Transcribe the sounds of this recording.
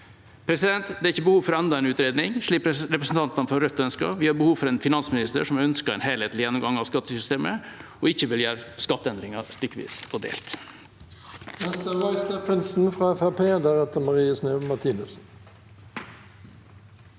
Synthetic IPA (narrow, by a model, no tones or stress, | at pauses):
pʰɾɛsɪd̪ɛnt̪d̪ɛæɾɪçːəbəhuːʋfɔɾɔɛnd̪ɑɛnʉːt̪ɾeːd̪nɪŋʂɭiːkɾɾɛpɾəsn̩t̪ɑnt̪ɑnfɔɾœt̪ːɔœnskɑ̰ʋɪhɑɾbəhuːʋfɔɾɛnfɪnɑnsmɪnɪst̪ə̰ʂɔmœnskəɾɛ̰ːnɦeːleːt̪lɪjɛnːɔmɡɑŋɑːʋskɑt̪ːəsʏst̪eːmə | ɔɪçːəʋɪljæːɾskɑt̪ːəɛnd̪ɾɪŋɑst̪ʏkːʋḭːsɔd̪ḛːlt̪ | nɛst̪əwɑɪst̪ɛpʰɾɪnsn̩fʁɑːɛfæpʰeːd̪æʁɛt̪əmɑʁiːəsnøːmɑt̪ʰiːnʉsn̩